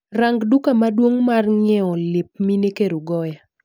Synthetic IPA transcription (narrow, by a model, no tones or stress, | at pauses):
raŋɡdukamadwoŋmarɲɛɔlɪp̚minekeɾuɡɔja